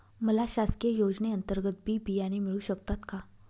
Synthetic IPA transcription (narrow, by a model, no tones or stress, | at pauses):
məlaɕaskejod͡ʑneənt̪əɾɡət̪̚bʱiːbʱijanimiɭuɕəkt̪at̪ka